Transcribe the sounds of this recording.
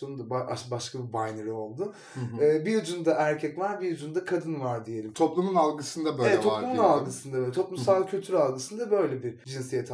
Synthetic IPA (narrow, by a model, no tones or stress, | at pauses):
onund̪abaa̰ʃbaʃkʰabibajneɾio̞lˠd̪ʊ | ɯːbijud͡ʒund̪aæɾcʰɛclæɾbijud͡ʒund̪akʰad̪ɯnvaɾd̪ije̞lʲimt̪ʰo̞plˠumunalˠɡɯsɯnd̪abøeɛt̪ːʰop̪ˠumunalˠɡɯsɯnd̪abøt̪ʰo̞plˠumssalˠcʰylʲt̪ʰyɾalˠɡɯsɯnd̪abø̞jlʲɛbiɾd͡ʒinsijɛt̪ʰ